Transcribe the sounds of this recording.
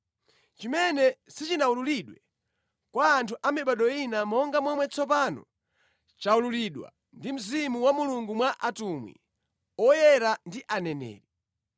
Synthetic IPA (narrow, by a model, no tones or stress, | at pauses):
t͡ʃimɛnɛsit͡ʃinaululiɗwɛ | kwaːntʰuʔamiɓaɗɔinamɔŋɡamwɛmwɛt͡sʰɔp̬anɔ̰ | t͡ʃaululiɗwa̰ | ndim̩zimuwamuluŋɡumwaʔatumwḭ | ɔjɛɾandiʔanɛnɛ̰ːɾi